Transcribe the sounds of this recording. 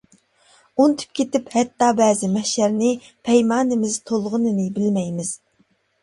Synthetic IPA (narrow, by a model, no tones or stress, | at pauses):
unt̪ʰy̥p̚kʲʰet̪ɪphɛt̪ːɑːbɛːzɪmɛʃæɾnɪ | pʰɛjmɑːnɪmɪz̥t̪ʰolˠʁʊnɨnɨbɪlmɛjmɪz̥